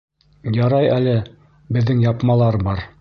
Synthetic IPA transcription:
jɑɾɑjælɘ | bɘ̆ðːɘŋjɑpmɑlˠɑɾbɑɾ

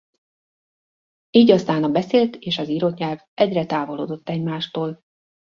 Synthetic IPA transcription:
iːɟɒst̪aːnɒbɛseːlt̪eːʃɒziɾot̪ɲɛlvʔɛɟrɛt̪aːvo̞lo̰ːd̪o̞t̪ːɛɟmaːʃt̪oːl

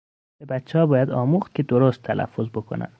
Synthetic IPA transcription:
b̥ebæt͡ʃʰːehɒːbɒːjæd̪ɒːmuːχt̪̚cʰʲed̪oɾost̪ʰːælæ̰fːozbo̞kʰo̰næ̰nd̪̥

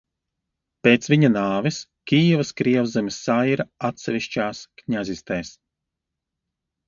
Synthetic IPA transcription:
peːt̪svʲiɲanaːviskʲijɛvɐskɾiɛvzɛmisajɾaat̪sɛvʲiʃt͡ʃaːskɲazʲist̪ɛːs

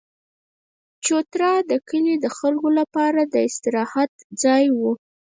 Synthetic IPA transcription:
t͡ʃot̪ɾɑd̪əkəled̪əxəlɡolapɑɾad̪əɪst̪ɪɾɑhat̪d͡zɑjwu

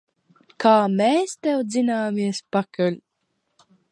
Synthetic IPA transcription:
kaːmeːst̪ɛwzinaːmiɛspakalʲ

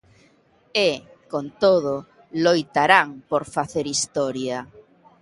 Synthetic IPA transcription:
e | kont̪oðʊ | lojt̪aɾaŋpoɾfaθeɾist̪ɔɾja

